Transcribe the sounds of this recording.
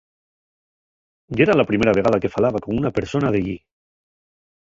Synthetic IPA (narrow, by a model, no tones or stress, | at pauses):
ɡeɾalapɾimeɾaβ̞eɣað̞ake̞falaβakomunapeɾsonaðeʎi